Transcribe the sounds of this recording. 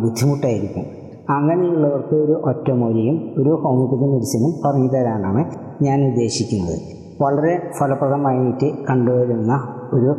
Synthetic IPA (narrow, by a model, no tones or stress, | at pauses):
bud̪ʱːimuʈːaːjiɾikʲːṵm | ɐŋɡːɐnɐjuɭːɐʋɐrkɨoɾuʔotːɐmoːlijumo̞ɾuhɐwmikːɐt̪ːimiɾuɕɐnumpɐrɐɲːuðɐɾaːɳaːɳɨ | ɲaːnnid̪ːe̞ːɕikʲːunːɐ̰ðɨ̰ | ʋɐɭɐɾe̞fʰɐlɐprɐðɐmaːjumitːɨkɐɳɖuʋɐɾunːɐ | oɾu